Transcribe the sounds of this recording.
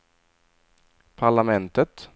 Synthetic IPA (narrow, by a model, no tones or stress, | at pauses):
pʰaɭamɛnt̪ət̪